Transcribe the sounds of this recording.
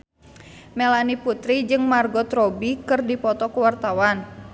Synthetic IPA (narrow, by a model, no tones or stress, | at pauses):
mɛlaniput̪ɾid͡ʒɨŋmarɡɔt̪ɾɔbikɨrdipɔt̪ɔkuwart̪awan